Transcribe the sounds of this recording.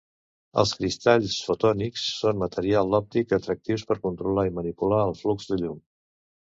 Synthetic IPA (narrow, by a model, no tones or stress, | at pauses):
ə̰lˠskɾist̪aʎsfut̪ɔniksːonmət̪əɾialˠd̪ɔp̚t̪ikət̪ɾək̚t̪iwspəɾkunt̪ɾulaimənipulaəlˠflukzðəʎum